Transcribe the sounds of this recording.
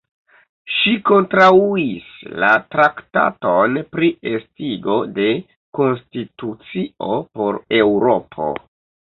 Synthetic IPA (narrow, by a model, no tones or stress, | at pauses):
ʃiko̞ntɾauisla̰tɾakta̰to̞npɾiestiɡo̞de̞ | ko̞nstitut͡sio̞po̞ɾe̞wɾo̞pʰo̞̰